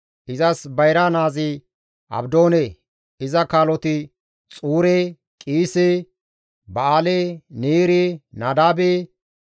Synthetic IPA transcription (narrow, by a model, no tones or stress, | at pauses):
ʔɪzɐsbɐjɾanaːzɪ | ɐ̰bd̪o̞ːneː | ɪzɐkaːlɔt̪ɪ | t͡sʼuːɾeː | kʼiːse | bɐaːleːniːɾɪnaːd̪aːbe